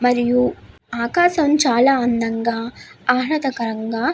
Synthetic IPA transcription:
mɐɾiju | aːkaːʃɐmt͡ʃaːlaːɐnd̪ɐŋɡaːaːɦnɐt̪ɐkɐɾɐŋɡaː

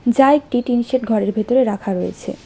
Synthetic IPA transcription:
d͡ʑajk̚ʈiʈinʃeʈɡʱɔɾeɾbʱet̪oɾeɾakʰaɾojḛt͡ɕʰḛ

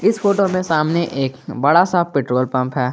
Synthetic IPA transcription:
ɪsfoːʈomẽsaːmneʔeːkbɐɽasapɪːʈɾoːlpɐ̃mpɦɛː

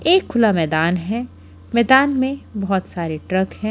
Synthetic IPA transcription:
eːkʰːʊlamɛːd̪aːnɦɛ̃ | mɛːd̪aːnmẽbɔɦɔt̪saːɾeʈɾɐkhɛ̃ː

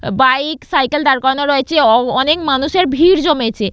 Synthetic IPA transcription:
bajksajkeld̪aɾkɔɾnoɾoet͡ɕʰeɔnekmanuʃeɾbʱiɾd͡ʑomet͡ɕʰe

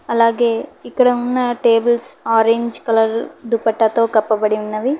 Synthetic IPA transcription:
ɐlaːɡe̞ːikːɐɽɐunːɐʈeːbɐlsaːɾeːɲd͡ʒkɐlɐɾd̪upɐʈːɐt̪o̞ːkɐpːɐbɐɽiunːɐʋi

